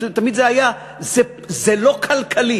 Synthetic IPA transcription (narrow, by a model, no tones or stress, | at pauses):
t̪amid̪zehaja | ze | zelo̞kʰalkʰali